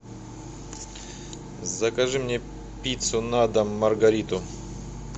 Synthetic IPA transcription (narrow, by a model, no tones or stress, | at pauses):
zɐkɐʐɨmnʲe | pʲit̪sʊnad̪ɐmːɐrɡɐɾʲit̪ʊ